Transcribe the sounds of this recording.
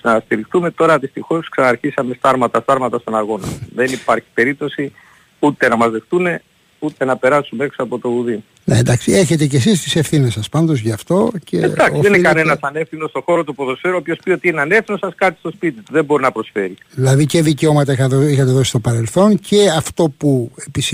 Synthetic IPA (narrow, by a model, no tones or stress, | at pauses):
nɐst̪iɾixt̪ume̞t̪o̞ɾɐðist̪ixo̞sksɐnɐːɾçisɐme̞st̪ɐɾmɐt̪ɐst̪ɐɾmɐt̪ɐst̪o̞nɐɣo̞nɐ̰ðe̞nipɐɾçi̥pe̞ɾip̚t̪o̞si | ut̪e̞nɐmɐzðe̞xt̪ume̞ | ut̪e̞nɐpe̞ɾɐsumeeksoɐpo̞t̪o̞uði | neend̪ɐksieçe̞t̪e̞ce̞sist̪i̥se̞fθine̞sːɐspɐnd̪o̞zʝɐːft̪o̞cḛd̪ɐksðenikɐne̞nɐsɐnefθino̞st̪oxo̞ɾot̪̬upoðosfe̞ɾuoːpiospiot̪iineɐnefθino̞sɐskɐt̪i̥st̪o̞spit̪it̪uðe̞mbo̞ɾinɐpɾo̞sfe̞ɾiðilɐðiceðiceo̞mɐt̪ɐixɐoixɐt̪eðosist̪opɐɾe̞lθo̞nceɐft̪o̞puepis